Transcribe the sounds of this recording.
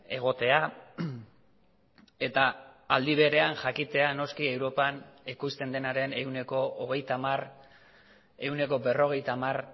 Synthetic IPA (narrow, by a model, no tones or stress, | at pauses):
e̞ɣ̞o̞t̪e̞a | e̞t̪aːld̪iβ̞e̞ɾe̞anʝakit̪e̞ano̞skie̞wɾo̞panikust̪e̞nd̪e̞naɾe̞ne̞wne̞ko̞ːɣ̞e̞jt̪amar | e̞une̞ko̞be̞ro̞ɣ̞e̞jt̪amar